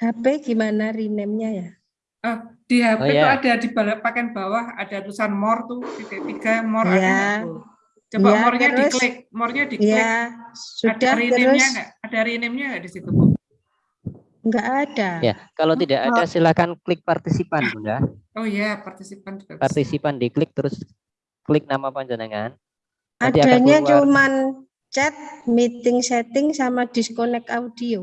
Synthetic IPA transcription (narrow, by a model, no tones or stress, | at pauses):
hapɛɡ̥imanarinɛmɲaja | ʔəhd̥iɦapejt̪uadadibalapakanbawaha̰daɾusanmɔrt̪usit̪et̪ikamɔɾja | d͡ʒajaamɔrɲəɾʊslɪk̚mɔrɲadijla | suad̥aɾit̪ənɛɾʊɲsaŋɡaʔad̥aɾinɛmɲaŋɡaʔdisit̪upʊn | ŋɡaʔad̥aja̰kalot̪idaʔadasilakanklɪk̚part̪isipanmunɡaojapart̪isipand͡ʒapart̪isipandiklɪk̚t̪əɾʊs | klɪk̚namapaɲd͡ʒənaŋan | ʔad̪iaaɲat͡ʃuman | t͡ʃɛt̪̚mit̪ɪŋsɛt̪ɪŋsamad̥iskonɛkaudio